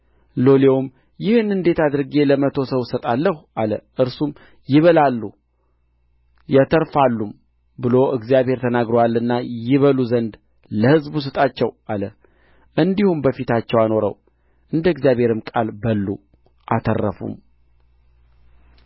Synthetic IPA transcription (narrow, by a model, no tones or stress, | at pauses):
lo̞lewm | jɪhɨnɨnd̪e̞t̪ad̪ɨɾɡe̞ləmət̪ʰo̞səwsət̪ʼalːəhuʔaləʔɨɾsum | jɪβəlalːu | jɛt̪ʰəɾfalːum | bɨlo̞ɨɡzijaβhe̞ɾt̪ʰənaɡɾoalːɨnːajɪβəluzənd̪ | ləhɨzbus̬ɨt̪ʼat͡ʃːɛwalə | ʔɨnd̪ihumbəfit̪ʰat͡ʃːɛwano̞ɾə̰w | ʔɨnd̪əɨɡzjaβhe̞ɾɨmkʼalbəlːu | ʔat̪ʰərːə̰fṵm